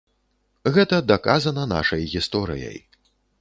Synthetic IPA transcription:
ɣɛt̪ɐd̪ɐkazɐnɐna̰ʂɐjɣʲist̪ɔɾɨ̰jɐ̰j

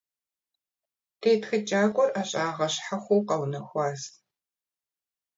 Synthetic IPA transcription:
tʰeːtxɨt͡ʃʼaːkʷʼɔrʔaːɕʼaːʁɐɕħaxʷowqɐwnɐxʷɑːz

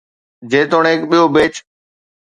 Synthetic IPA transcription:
d͡ʑeːt̪oːɽeɪkɓijobeːt͡ɕ

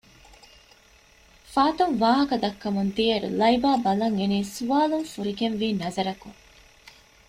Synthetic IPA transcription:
faːt̪oŋʋaːɦɐkɐd̪ɐkːɐmunt̪iɐɾṵlɐibaːbɐlɐŋeniːsuʋaːluŋfuɾiɡenʋiːnɐzɐɾɐkuŋ

